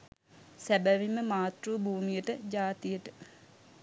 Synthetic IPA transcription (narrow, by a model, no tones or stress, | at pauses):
sæbəʋiməmaːt̪ruːbʱuːmijəʈəd͡ʒaːt̪ijəʈə̥